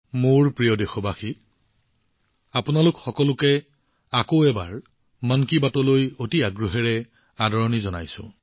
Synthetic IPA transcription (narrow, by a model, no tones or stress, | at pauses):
moɹpɹijɔdexɔbaxi | apʊnalʊkxɔkɔlʊkɛ | akoɛbaɹ | mankibatɔlojotiaɡɹɔɦɛɹɛ | adʱɔɹɔnizɔnajsʊ̰̃